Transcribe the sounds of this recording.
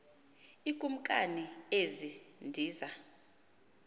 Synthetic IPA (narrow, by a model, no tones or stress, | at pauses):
ikʼum̩kʼa̰niezindʱiːza